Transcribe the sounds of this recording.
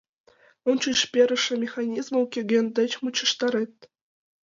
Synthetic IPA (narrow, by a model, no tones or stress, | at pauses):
ont͡ɕuʂpʲeɾʲɘ̆ʂɘ̆mʲexɑnʲizmɤ̆lkʲĕɡʲĕnʲd̪ʲɘ̆t͡ɕmut͡ɕɤ̆ʂt̪ɑɾʲet̪ʲ